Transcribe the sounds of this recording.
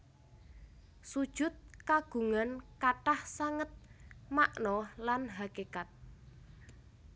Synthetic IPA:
sud̥ʒ̥ʊ̤t̪̚kaɡ̥ṳŋankaʈahsaŋət̪̚maʔnɔlanɦakekat̪̚

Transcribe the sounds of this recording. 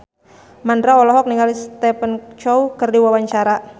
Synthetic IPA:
mandɾaɔlɔɦɔk̚niŋɡalist̪ɛpənt͡ʃɔukərdiwawaɲt͡ʃaɾa

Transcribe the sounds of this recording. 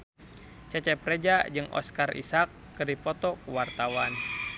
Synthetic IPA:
t͡ʃɛt͡ʃɛpɾɛd͡ʒad͡ʒɨŋʔɔ̰skarʔḭsakːɨrdipɔt̪ɔkəwart̪awan

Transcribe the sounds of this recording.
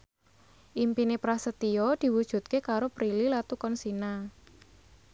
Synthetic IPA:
ʔimpinepɾasət̪iɔd̪̥i̤wud̥ʒ̥ṳt̪̚kekaɾopɾililat̪ukɔnsina

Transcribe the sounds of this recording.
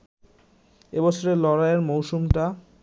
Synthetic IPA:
ebɔt͡ɕʰoɾelɔɾaeɾmowʃumʈa

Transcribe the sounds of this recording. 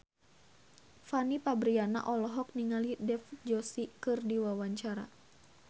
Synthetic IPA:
fanipabɾiana̰ʔɔlɔɦɔk̚niŋalidɛfd͡ʒɔsikɨrdiwawaɲt͡ʃaɾa̰

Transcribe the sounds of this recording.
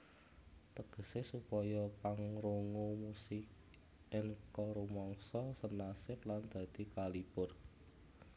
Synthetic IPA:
t̪əɡ̥ə̤sesupɔjɔpaŋɾoŋomusɪk̚ | ɪŋkɔɾumɔŋsɔsənasɪp̚land̪̥ä̤d̪̥i̤kalipʊr

